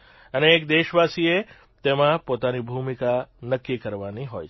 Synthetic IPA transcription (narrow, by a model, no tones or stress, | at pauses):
əneːk̚d̪eːʃʋasie | t̪emãpot̪anibʱumikanəkːikəɾʋaniɦoj